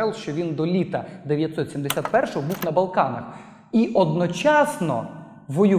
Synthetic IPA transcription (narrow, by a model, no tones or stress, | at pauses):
ɛlˠʃt͡ʃɔʋʲind̪ɔlʲit̪ɐd̪eʋʲjɐt̪sɔt̪ʲsʲimd̪esʲat̪̚pɛrʃɔɦɔbuwnɐbɐlˠkɑnɐx | iʔɔd̪nɔt͡ʃɑsnɔ̰ | ʋɔjʊ